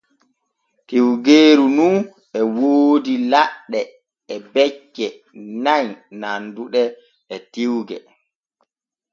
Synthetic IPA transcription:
tiwɡeːɾunun | ɛwoːdilaɗːɛ | ɛbɛt͡ʃːɛ | naɲnanduɗɛ | ɛtiwɡɛ

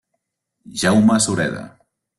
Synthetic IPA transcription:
ʒawmasuɾɛða̰

